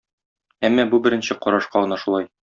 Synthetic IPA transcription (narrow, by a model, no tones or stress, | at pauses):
æmːæbubɘ̆ɾɘ̆nɕɘqɒɾɑʃqɑɤ̆nɑʃulˠɑj